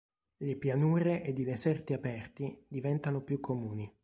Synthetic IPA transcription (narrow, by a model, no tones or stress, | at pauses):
lepjanuːɾeʔed̪id̪esɛrt̪iapɛrt̪id̪ivɛnt̪anopjukʰːomuːni